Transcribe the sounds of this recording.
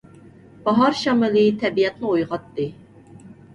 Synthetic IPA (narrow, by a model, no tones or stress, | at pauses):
b̥ɑɦɑɾʃɑmɨlˠɨt̪ʰɛbijɛt̪nɨojʁɑt̪ːɨ